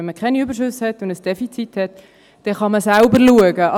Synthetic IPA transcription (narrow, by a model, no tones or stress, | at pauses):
ɛnməkʰaɪnyːbəɾʃʉshɛtʊndəsd̥ɛfit͡sithɛt | d̥ɛχɑməsalbəɾluəɡəɑ